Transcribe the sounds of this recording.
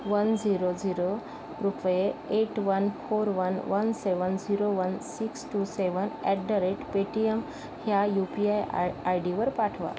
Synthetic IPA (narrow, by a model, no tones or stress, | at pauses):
ʋənd͡ziɾod͡ziɾo | ɾupjeeʈʋənfoɾʋənʋənseʋənd͡ziɾoʋənsiksʈuseʋənɛʈ̚ɖəɾeʈpeʈiem | hjajupiajajɖiʋəɾpaʈʰʋa̰